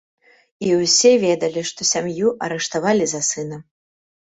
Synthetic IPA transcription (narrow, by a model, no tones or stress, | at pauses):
iwsʲɛvʲɛd̪ɐlʲiʂt̪ɔsʲamjuʔɐɾɛʂt̪avalʲizɐsɨnɐm